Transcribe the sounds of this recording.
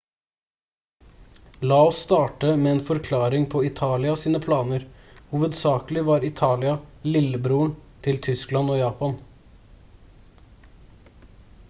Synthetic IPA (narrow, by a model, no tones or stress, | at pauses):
lɑːɔst̪ɑːʈəmeːeːnfɔɾkʰlɑːɾɪŋpʰɔɪt̪ʰɑːlɪɑsiːnəpʰlɑːnəɾhuːʋəd̪sɑːklɪʋɑːɾɪt̪ʰɑːlɪɑlɪlːəbɾuːəɳt̪ʰɪlt̪ʰʏsklɑnoːjɑːpɑn